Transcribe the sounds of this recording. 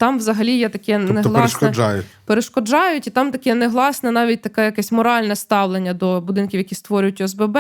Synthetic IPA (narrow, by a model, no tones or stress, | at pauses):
t̪ɑmʋzɐɦɐlʲijɛt̪ɐkɛneɦlˠɑʃɛd͡ʒɑ̰jʊ̰peɾeʃkɔd͡ʒɑjʊtʲit̪ɑmt̪ɐkɛneɦlˠɑsnɛnɑʋʲit̚ʲt̪ɐkɛjɐkɛsʲmɔɾɑlʲnɛst̪ɑwlˠenʲːɐd̪ɔbʊd̪ɪnkʲiwjɐkʲist̪ʋɔɾʲʊjʊtʲʊɛzbɛbɛ